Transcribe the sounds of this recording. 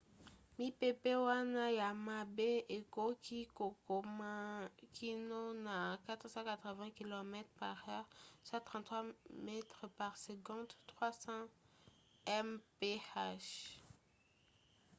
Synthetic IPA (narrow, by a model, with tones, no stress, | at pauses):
mi˦pe˦pe˦wa˦na˦ja˨ma˦be˦e˨ko˦kʰi˦ko˨ko˨makʰi˦nɔ˦na˨kat̪χəsɑ̃˦kat̪χəvɛ̃ki˨lo˨mɛt̪χpa˨ʁœʁswãt̪χɑ̃t̪ːχwamɛ˦t̪ʁəpa˨ʁseɡɔ̃˦d̪t̪χwa˦sɑ̃ | ɛmpe˦aʃ